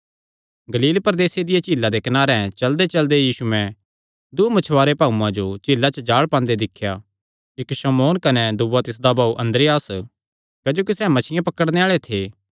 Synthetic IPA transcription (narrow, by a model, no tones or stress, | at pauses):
ɡɐliːlpɐɾd̪eːsed̪ɪjat͡ʃiːlːad̪ekɐnaːɾɛ̃t͡ʃɐld̪et͡ʃɐld̪ejiːsumɛ̃ | d̪umɐt͡ʃʰʋaːɾepaːuãd͡ʒot͡ʃɪːlːat͡ʃəd͡ʒaːɭpãːnd̪ed̪ɪkʰja | ɪkʃɐmoːnkɐnɛd̪ʊʋat̪ɪsd̪abʱaːuʔɐ̃nd̪ɾɪjaːs | kad͡ʒoːkisɛmɐt͡ʃʰɪjãpɐkəɽneaːɭet̪ʰeː